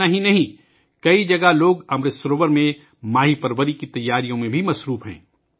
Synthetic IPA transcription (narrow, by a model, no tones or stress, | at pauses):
aɦinɐɦĩ | kɐid͡ʒɐɡaloːɡɐmɾɪsɾoːʋəɾmẽ | maːɦipɐɾʋəɾikit̪ɐjːaːɾijõmẽbʱimɐsɾuːfɦɛ̰̃ː